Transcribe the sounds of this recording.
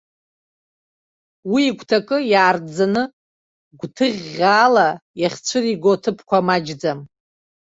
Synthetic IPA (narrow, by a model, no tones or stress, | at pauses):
wiːkʷʰtʰakʼɨjaːrd͡zanɨ | ɡʷtʰɨʁʲaːlajaχʲt͡ɕʷʰɨriɡʷotʰɨpʰkʷʰamad͡ʒd͡zam